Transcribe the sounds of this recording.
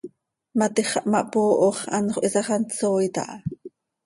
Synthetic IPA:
mat̪iχɑʔmaʔpoːʔoχanχoʔisɑχɑnt͡soːjt̪a̰ʔɑ

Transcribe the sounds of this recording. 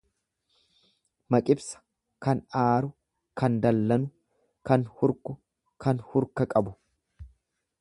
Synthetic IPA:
mɐkʼɪbsɐ̥ | kɐnaːɾʊ | kɐnd̪ɐlːɐnʊ | kɐnhʊɾkʊ | kɐnhʊɾkɐkʼɐbʊ

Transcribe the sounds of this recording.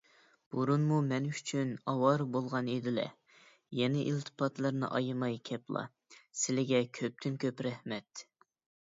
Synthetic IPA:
b̥uɾunmumɛnyt͡ʃʰynɑwɑɾbolˠʁɑned̪ɪlɛ̰ | jɛnɪʔilt̪ʰɨ̥pʰɑt̪lˠɨɾnɨ̰ʔɑ̰jɨmɑjkʲʰɛplˠɑ̰ | sɪlɪɡʲɛkʲʰøp̚t̪ʰynkʲʰøpɾɛhmɛt̪

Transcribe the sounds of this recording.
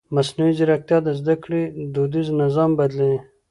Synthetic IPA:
masnawizɪɾak̚t̪jɑd̪əzd̪akɽed̪od̪iznɪzɑmbad̪lini

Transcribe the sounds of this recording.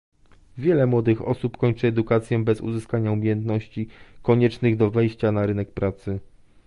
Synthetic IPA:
vʲjɛlɛmwɔd̪ɘxɔ̰supkɔɲt͡ʂɘɛd̪ukat̪sʲjɛbɛzṵzɘskaɲaumʲjejɛnt̪nɔɕt͡ɕikɔɲɛt͡ʂnɘɣd̪ɔvɛjɕt͡ɕanaɾɘnɛkpɾat̪sɘ

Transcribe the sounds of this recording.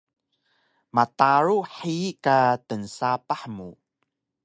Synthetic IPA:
mataɾuħikatənsapaħmu

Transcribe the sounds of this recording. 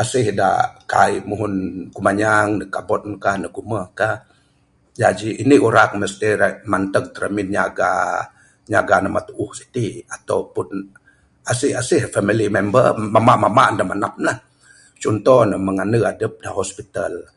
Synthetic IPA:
asɪhda̰ka̰imuɦʊnkumaɲaŋdəkabɔt̪̚nkahnəɡuməkah | d͡ʒad͡ʒiʔːniʔuɾakməst̪iɾamant̪əŋ̚t̪əɾəminɲaɡa̰ | ɲaɡanamat̪uʔuhsi̥t̪iat̪awpʊn | asɪhasihfamilimɛmbə̰rmamaʔmamaʔəndahmanap̚nah | t͡ʃɔnt̪ɔhnəməŋanəadəp̚dahɔspit̪al

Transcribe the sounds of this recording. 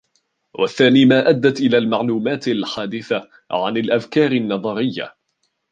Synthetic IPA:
wa̰θːaːniːmaːʔad̪ːat̪ʔɪlaːlmaʕluːmaːt̪alħaːd̪ɪθa | ʕa̰nalʔafkɑːɾɪnːɑðˤɑɾɪjːa̰

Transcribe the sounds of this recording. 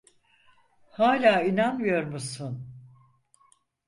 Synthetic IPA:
haːlʲaːinanmɯjo̞ɾmusun

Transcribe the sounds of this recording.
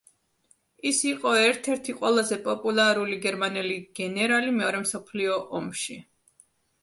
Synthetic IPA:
isiqʼɔɛɾt̪ʰɛɾt̪ʰiqʼwɛlˠazɛpʼɔpʼulˠaɾuliɡɛɾmanɛliɡ̥ɛnɛɾalimɛɔɾɛmsɔpʰliɔʔɔmʃi

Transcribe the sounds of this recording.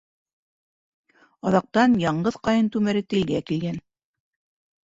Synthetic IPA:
ɑðɑq̚t̪ɑnjɑɴɢɤðqɑjɤnt̪ʉmæɾɘt̪ɘ̆lɡækilɡæn

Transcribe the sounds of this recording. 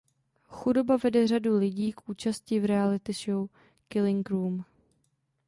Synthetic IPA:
xudobavɛdɛr̝adulɪɟiːkʔuːt͡ʃasciːvɾɛalɪt̪ɪʃow | kɪlɪŋɡɾuːm

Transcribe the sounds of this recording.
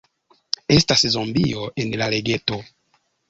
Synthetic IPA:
estaszombioʔenlaleɡeto

